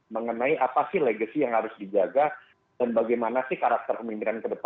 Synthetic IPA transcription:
məŋənaiʔapasɪhleɡasijaŋhaɾʊsdid͡ʒaɡa | d̥anbaɡajmanasɪhkaɾak̚t̪ərkəmimpiɾankədəpa

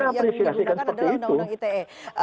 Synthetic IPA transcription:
apɾisiasikansə̥pərt̪iːt̪u

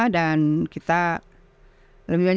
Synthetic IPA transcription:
ahdankit̪a | ləbibaɲ

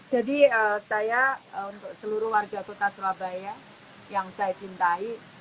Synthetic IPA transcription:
d͡ʒadiəsajaəunt̪ʊk̚səluɾʊhwarɡakot̪aslabajja | jaŋsajat͡ʃint̪ai

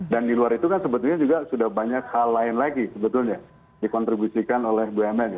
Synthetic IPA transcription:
dandiluaɾit̪ukansəbət̪ulɲad͡ʒuɡasudahbaɲakhalːaɪnlaɡisəbət̪ʊlɲa | dikɔnt̪ɾibusikanolɛhbuɛmɛn

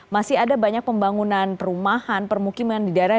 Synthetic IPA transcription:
masɪhadabaɲak̚pəmbaŋunanpəɾumahanpərmukimandidaɾa

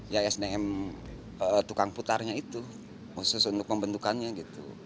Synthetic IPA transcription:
jaɛsneɛm | ət̪ukaŋput̪arɲait̪u | musʊsunt̪ʊk̚məmbənd̪ukanɲaɡit̪ṵ

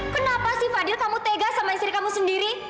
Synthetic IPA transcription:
kənapasɪhfadɪlkamut̪eɡaʔsamaist̪ɾikamusəndiɾi

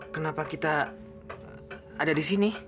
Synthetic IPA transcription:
kənapakit̪a | dadisini

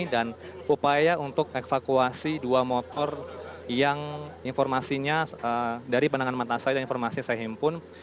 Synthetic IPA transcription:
danupajaunt̪ʊk̚efakuasiduamɔt̪ɔrjaŋinfɔrmasiɲaədaɾipanaŋanmat̪asadainfɔrmasisaɦimpʊn

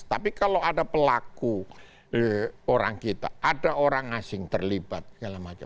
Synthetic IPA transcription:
t̪apikaloadapəlaku | oɾaŋkit̪a̰ʔadaoɾaŋasɪŋt̪ərlibat̪̚ɡalamat͡ʃa̰

